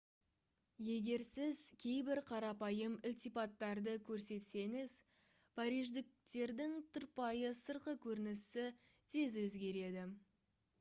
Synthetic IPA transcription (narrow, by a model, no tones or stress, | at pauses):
je̞ɡʲe̞ɾsɪz̥kʲʰe̞jbɪɾqʰɑɾɑpɑjəmɪlʲt̪ipɑt̪ːɑɾd̪əkʲʰɵɾse̞t̪se̞ŋɪz | pʰɑɾijʒd̪ɪk̚t̪e̞ɾd̪ɪŋt̪ʰʊɾpɑjəsəɾqəkʲʰɵɾɪnɪsɪ | t̪ʰe̞zwɵzɡʲe̞ɾe̞d̪ɪ